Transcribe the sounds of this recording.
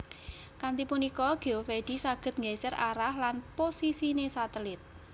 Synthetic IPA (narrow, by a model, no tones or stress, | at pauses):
kant̪ipunikɔɡ̥eofeɖ̥i̤saɡ̥ə̤t̪̚ŋesəraɾahlanposisinesat̪əlɪt̪̚